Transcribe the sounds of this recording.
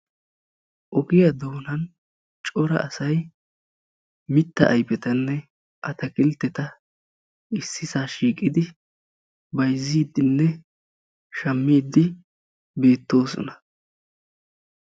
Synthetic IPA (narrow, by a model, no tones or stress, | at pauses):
ʔɔɡɪjɐd̪oːnɐn | t͡ʃʼɔɾɐ̰ʔɐsɐj | mɪt̪ːɐ̰ʔɐjpɛt̪ɐnːɛ | ʔɐt̪ɐkʼɪlt̪ːɛt̪ɐ | ɪsːɪsaːʃiːkʼːɪd̪ɪ | bɐjzːiːd̪ɪnːɛ | ʃɐmːiːd̪ɪ | be̞ːt̪ːo̞ːsɔ̰nɐ